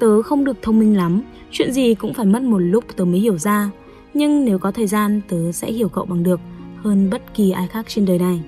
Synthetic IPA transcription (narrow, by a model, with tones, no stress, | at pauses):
t̪əː˨˦xə˧wŋ͡mɗɨ˨˩ək̚t̪ʰə˧wŋ͡mmï˧ŋ̟la˨˦m | t͡ɕwḭ˧˨ənzi˨˩kʊ̰˧˥ŋ͡mfaː˧˩jmə˦˥t̚mo˨˩t̚lʊ˦˥k͡p̚t̪əː˨˦mə˨˦jhi˧˩əwzaː˧ | ɲɨ˧ŋne˨˦wkɔ˨˦t̪ʰəː˨˩jzaː˧nt̪əː˨˦sɛ̰˧˥hi˧˩əwkə̰˧˨wɓa˨˩ŋɗɨ˨˩ək̚həː˧nɓə˦˥t̚ki˨˩ʔaː˧jxaː˦˥k̚t͡ɕe˧nɗəː˨˩jna˨˩j